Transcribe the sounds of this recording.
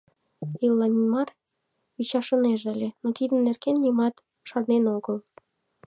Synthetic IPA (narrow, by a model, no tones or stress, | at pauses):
ilːɑmʲinmɑr | it͡ɕɑʃɤ̆neʒəlʲenot̪id̪ə̆nnːerkenjimɑt̪ | ʃɑrnenoɡəl